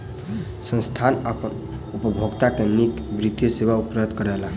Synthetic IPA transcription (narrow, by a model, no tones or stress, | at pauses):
sə̃nst̪ʰanapə | upəbʱoɡt̪akenikbɾit̪ːiseʋaupɾət̪kəɾɛla